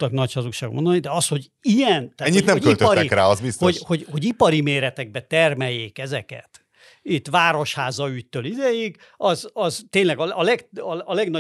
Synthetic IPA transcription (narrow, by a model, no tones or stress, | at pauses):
ɒknɒchɒzukʃaːɡmond̪onid̪ɛɒsho̞ɟ | ijɛnt̪ːɛɲːit̪nɛmmøilt̪ɒɾɛikɾaːɒzbisthoho̞ɟho̞ɟipɒɾimeːɾɛt̪ɛɡ̚bɛt̪ɛrmɛjːeːkɛzɛkɛ̰t̪ | it̪ːʋaːɾo̞ʃhaːzɒyc̚t̪øːlid̪ɛjik | ɒzɒzt̪eːnlɛɡɒɒlɛɡɒɒlɛɡnɒ